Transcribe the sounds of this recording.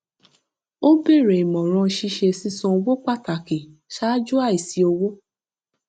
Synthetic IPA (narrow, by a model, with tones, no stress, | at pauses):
o˦be˦˨ɾe˨i˨mɔ̃˨ɾ̃ɔ̃˧ʃi˧ʃe˧˨si˧˦sɔ̃˧o˧wo˦k͡pa˦˨ta˨ke˨ʃa˦d͡ʒu˦a˦˨i˨si˨˦o˧wo˦